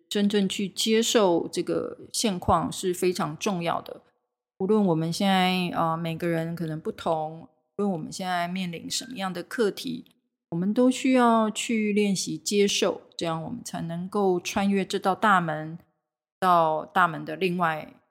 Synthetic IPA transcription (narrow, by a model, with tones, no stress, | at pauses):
ʈ͡ʂə˥nʈ͡ʂə˥˧ŋt͡ɕʰy˥˩t͡ɕjɛ˥ʂo˥˧ʊʈ͡ʂɤ˥˩ɡə̰˩ɕjɛ˥˧nkʰwɑ˥˧ŋʂɻ̩˥˩fe˥ɪʈ͡ʂʰɑ˧˥ŋʈ͡ʂʊ˥˧ŋjɑ̰˥˩ʊd̪ə̰˩ | u˧˥lwə˥˩nwɔ˨˩mə˧˦nɕjɛ˥˧nt͡sa˥˩ɪə˧me˨˩ɪɡə˧˦ɻə˧˥nkʰɤ˨˩nə˧˥ŋpu˥˩t̪ʰʊ˧˥ŋ | u˧˥lwə˥˩nwɔ˨˩mə̰˦nɕjɛ˥˧nt͡sa˥˧ɪmjɛ˥˩nlḭ˧˥ŋʂə˧˦nmə˦jɑ˥˩ŋd̪ə˩kʰɤ˥˩t̪ʰḭ˧˥ | wɔ˨˩mə˦nt̪o˥ʊɕy˥jɑ˥˧ʊt͡ɕʰy˥˧ljɛ˥˩nɕi˧˥t͡ɕjɛ˥ʂo˥˩ʊʈ͡ʂɤ˥˧jɑ˥˩ŋwɔ̰˨˩mə˦nt͡sʰa˧˥ɪnɤ˧˥ŋko˥˩ʊʈ͡ʂʰwa˥nɥɛ˥ʈ͡ʂɻ̩˥˧t̪ɑ˥˧ʊt̪a˥˩mə˧˥n | t̪ɑ˥˧ʊt̪a˥˩mə˧˥nd̪ə˧li˥˧ŋwa˥˩ɪ